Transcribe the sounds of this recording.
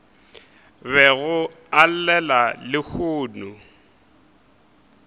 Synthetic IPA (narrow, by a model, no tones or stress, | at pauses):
βɛɣʊ | al̩lɛlalɪk͡xʰʊːnʊ